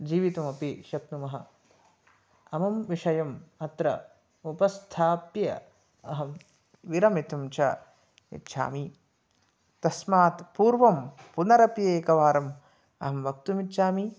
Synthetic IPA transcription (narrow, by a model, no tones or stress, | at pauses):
d͡ʒiːʋit̪ɐmɐpiʃɐk̚numɐɦɐ̰ | ɐmɐmʋiʂɐjɐmɐt̪ɾɐ̰ | upɐst̪ʰaːpjɐ̰ | ɐɦɐm | ʋiɾɐmit̪umt͡ʃʰɐ̰ | ḭtːʃʰa̰ːmi | t̪ɐsmaːt̪puːɾʋɐmpunɐɾɐpjeːkɐʋaːɾɐm | ɐɦɐmʋɐk̚t̪umit̪ːʃʰaːmi